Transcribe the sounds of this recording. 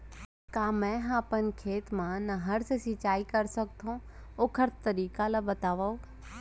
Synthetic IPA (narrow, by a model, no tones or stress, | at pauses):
kaːmɛ̃ɦãːpən̆kʰeːt̪mãnɐɦɐɾsesit͡ɕaːikɐɾsɐɡ̚t̪ʰõ | okʰəɾt̪t̪ɐɾiːkalɐbɐt̪aːʋao